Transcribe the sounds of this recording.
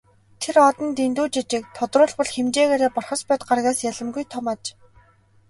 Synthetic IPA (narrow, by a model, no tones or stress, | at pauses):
t̪ʰeɾɔt̪ɞ̆nt̪ent̪uːt͡ɕit͡ɕɪ̆k̚t̪ʰʊt̪rʊːɮpɔɮxemt͡ɕeːɣeːɾeːpʊrχə̆spæːt̪ɢarɣaːsjaɮə̆mɡujt̪ʰɔmaːt͡ɕ